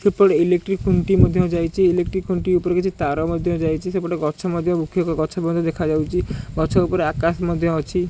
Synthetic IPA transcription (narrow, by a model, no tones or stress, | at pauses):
sepɔɽeilek̚ʈɾikːuɳʈimod̪ʱjɔd͡ʒajt͡ʃʰiilek̚ʈɾikːuɳʈiupɔɾekit͡ʃʰit̪aɾɔmɔd̪ʱjɔ̃d͡ʒajt͡ʃʰisepɔɽeɡɔt͡ʃʰɔmɔd̪ʱjɔbukʰːjɔkɡɔt͡ʃʰɔbɔnd̪ʱɔd̪ekʰad͡ʒawt͡ʃʰiɡɔt͡ʃʰɔupɔɾeakasmɔd̪ʱjɔɔt͡ʃʰi